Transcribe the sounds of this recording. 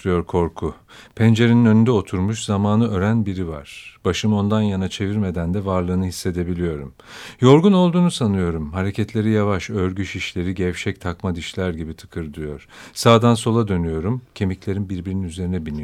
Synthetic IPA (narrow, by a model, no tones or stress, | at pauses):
ɯjoɾkʰo̞ɾkʰu | pʰɛnd͡ʒe̞ɾeninønynd̪ɛo̞t̪ʰuɾmuʃzamaːnɯʔø̞ɾænbiɾiva̰ɾ̥b̥aʃɯmo̞nd̪anjanat͡ʃʰe̞viɾme̞d̪ænd̪ɛvaɾlˠɯːnɯɦisːe̞d̪e̞bilʲijo̞ɾum | jo̞ɾɡuno̞lˠd̪uːnusanɯjo̞ɾumhaɾecʰɛt̪lʲe̞ɾijavaʃøɾɟyʃiʃlʲe̞ɾiɟɛvʃɛc̚t̪ʰakmad̪iʃlʲæɾɟibit̪ʰɯ̥kʰɯɾd̪yjo̞̰ɾ̥saːd̪anso̞lˠad̪ø̞nyjo̞ɾumcʰe̞miclʲe̞ɾinbiɾbiɾininyze̞ɾinɛbilnʲi